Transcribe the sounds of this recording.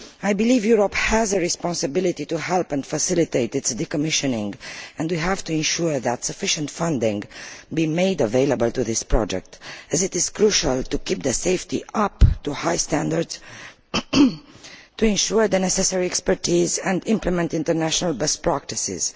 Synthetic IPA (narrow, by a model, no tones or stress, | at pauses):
ajbilivjuɹophæzəɹispɔ̃nsəbɪlit̪ituɦɛlpɛ̃ndfəsɪlit̪eɪt̪ɪtsd̪ikɔmɪʃənɪ̃ŋɡɛ̃ndwiɦævtuɛ̃nʃuɹðætsəfɪʃə̃ntfʌ̃ndɪ̃ŋɡbimeɪdəveɪləbəlt̪uðɪspɹɔ̰d͡ʒɛ̰k̚tɨzɪtɪz̥kɹuʃəlt̪ukip̚d̪əseɪftḭʔʌptuhajstæ̃ndəɹdz̥ | tuɛ̃nʃuɹd̪ənɛsɛsɛɹiɛkspəɹtizɛ̃ndɪ̃mpləmɛ̃ntɪ̃nt̪əɹnæʃənalbɛst̚pɹæk̚tisɪ̰z̥